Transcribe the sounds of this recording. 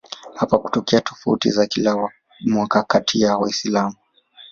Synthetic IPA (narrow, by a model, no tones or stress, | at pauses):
hapaku̥tɔkɛatʰɔ̥faṵtḭzakila | mwakakatʰijawaisilamu